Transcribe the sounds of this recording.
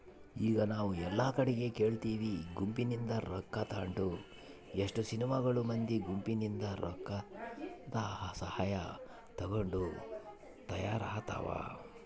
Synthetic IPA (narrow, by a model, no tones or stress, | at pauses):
iːɡɐnaːʋuɛlːaːkɐɽɛɡe̞ke̞ːɭt̪iːʋiɡumpinind̪ɐɾɔkːat̪aːɳʈu | eʂʈusinimɐɡɐɭumɐnd̪iɡumpinind̪ɐɾɔ̰kːat̪ɐɦɐsɐhaːjɐ | t̪ɐɡoɳɖu | t̪ɐjaːɾaːt̪a̰ʋa̰ː